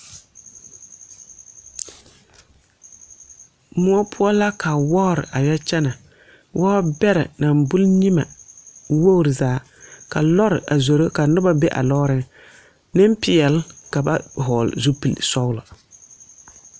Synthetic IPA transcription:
mʊ˦ɔ˦pʰʊ˦ɔ˦la˦ka˨wɔ˦˨ɾɪ̰˨ʔa˨ja˦t͡ʃɛ˦na˨ | wʔɔ˦bɛ˦ɾɪ̰˨na˨mbʊ˦lɲi˦ma˨wo˦˨ɾɪ˨zaː˨˦ | ka˨lɔ˦ɾɪ˨ʔa˨zo˨ɾo˦ka˨nʊ˦ba˦be˦ʔa̰˨lɔ˦ɾɪ˦ŋ | nɪ˦mpɪ˨ɛ˨lka˨ba̰˦ɦɔː˨l̰zu˦pi˨l̰sɔ˦wlɔ˨

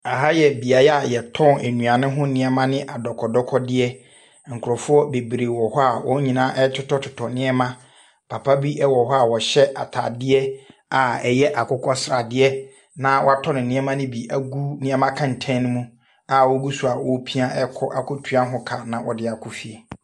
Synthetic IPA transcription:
a˨ɦa˦jɛ˨bi˨a˨jɛ˦a˨jɛ˨tʰɔ̃˦˨næ˨nũ˨a˨nɪ̃˦ɦʊ̃˦nɪ̃˨ɛ˨mã˦nɪ̃˦ʔa˨dɔ˨kʰɔ˨dɔ˦kʰɔ˦dɪ˦ɛ˦ | ŋ̩˨kʰʊ˨ɾɔ˨fʊ˦ɔ˦be˨bɾeː˨wɔ˨hɔ˦a˨wɔ˦ɲĩ˨nãː˦ʔɛ˦tʰʊ˦tɔ˦tʰʊ˨tʰɔ˨nɪ̃˦ɛ˦mã˦ | pʰa˨pʰa˦bi˦ʔɛ˦wɔ˨ɦɔ˦a˨wɔ˨ɕɛ˦ʔa̰˨tʰa̰˨dɪ˦ɛ˦a˨ɛ˨jɛ˦ʔa˨kʰʊ˦kʰɔ˦sɾa˨dɪ˦ɛ˦ | nã˦wɔ̰˦a˦tʰɔ˦nɪ̃˨nɪ̃˦ɛ˦mã˦nɪ̃˦bi˨æ˦˨ɡu˦nɪ̃˨ɛ˦mã˦kʰã˨n̩˨tʰɛ̃˦nɪ̃˦mũ˦ | a˨wɔ˦ɡu˦su˨a˨wɔ˦pʰi˦a˦ʔɛ˦kʰɔ˦ʔa˨kʰʊ˦tʰu˦a˦ɦʊ̃˦kʰa˨nã˨wɔ˨dɪ˦a˨kʰʊ˦fi˨e˨

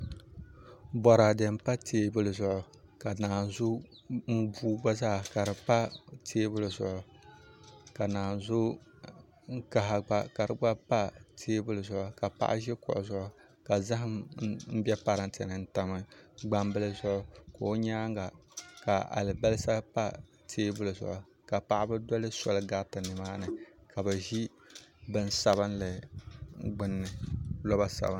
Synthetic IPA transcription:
bɔ˨ɾa˨dɨ˨m˦pa˦tʰeː˦bʊ˦lɨ˨zʊ˨ʔʊ˨ | ka˨naː˨zʊ˦ | m˦buː˦ɡ͡ba˦zaː˦˨ka˨ɾɨ˨pa˦tʰeː˦bʊ˦lɨ˨zʊ̰˨ʔʊ˨ | ka˨naː˨zʊ˦ | ŋ̩˦ka˨ɦa˨ɡ͡ba˨ka˨ɾɨ˨ɡ͡ba˦pa˦tʰeː˦bʊ˦lɨ˨zʊ˨ʔʊ˨ka˨pa̰˦ʔʒɛ˦kʊ̰˨ʔʊ˨zʊ˨ʔʊ˨ | ka˨za˦ɦɪ˦mm̩˦bʲɛ˦pa˦ɾɨ˦tʰɨ˨nɨ˨n̩˦ta˨mɨ˦ɡ͡ba˦mbɨ˦lɨ˦zʊ˦ʔʊ˦ko˨˦ɲaː˦ŋ˦ɡa˨ka˨a̰˨lɨ˨bɛ˦lɨ˦sa˦pa˦ | tʰeː˦bʊ˦lɨ˨zʊ̰˨ʔʊ˨ | ka˨pa˦ʔa˦bɨ˦dɔ˦lɨ˦sɔ˨lɨ˦ɡa˦tɨ˨nɨ˨maː˦nɨ˨kʰa˨bɨ˨ʒi˦ | bɨ˦n˦sa˨βɨ˦nlɨ˨ | ɡ͡bɨ˦nːɨ˨lɔ˦ba˦sa̰˨bɨ˦n

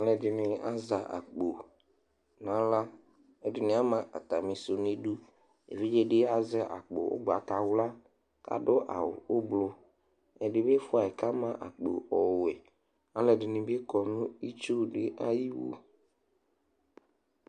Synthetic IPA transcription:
a˦lɛ˨dɪ˨nĩ˨a˦za˨ʔa̰˨k͡po˨ | nã˦la˦ | e˦dɪ˨nĩ˨˦a˦mã˨ʔa̰˨t̪a˨mĩ˨˦so˨nĩ˦ɖu˦ | ḛ˨vi˦d͡ʒe˦ɖɪ˦a˦zɛ˦ʔa̰˨k͡po̰˨o̰˦ɡ͡ba˨ka˨wla˦ | ka̰˨ɖʊ˦ʔa̰˨wo̰˨wo˦blo˦ | ɛ˨ɖɪ˨be˦fʊ˦a˨ɛ˨ka˦mã˦ʔa̰˨k͡po̰˨ɔ˨we˨ | a˦lɛ˨dɪ˨nĩ˨be˦kɔ˨nũ˦i˦t͡ʃu˦ɖɪ˦ʔa˦ji˦wo̰˨

